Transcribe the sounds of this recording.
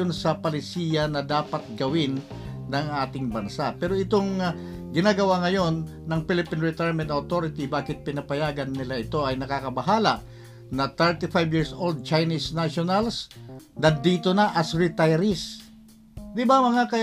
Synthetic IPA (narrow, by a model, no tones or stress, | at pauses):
ʊnsɐpɐlɪsiːjɐnɐd̪aːpɐt̪̚ɡɐwɪnː | ɐŋʔaːt̪ɪŋbɐnsapɛːɾoɪt̪oŋ | ɡɪnaːɡɐwaŋɐjo̞nː | ɐŋpilɪpinɹɛt̪ajɹmɛ̃nt̪ɐwt̪o̞ɾɪt̪ibaːkɪt̪̚pɪnɐpɐjaːɡɐnːɪlaʔɪt̪o̞ʔɐjnɐkaːkɐbɐɦaːlɐʔ | nɐt̪ɛɹt̪ɪfajbjiɹso̞ld̪̚t͡ʃajnisnaʃonɐlsnɐd̪iːt̪onɐʔɐsɹɪt̪ajɾɪs | d̪ɪbamɐŋakɐ